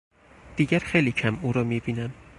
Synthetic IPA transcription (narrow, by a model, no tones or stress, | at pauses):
d̪̥iːɟæɾxejliːcʰæmuːɾɒːmiːbiːnæm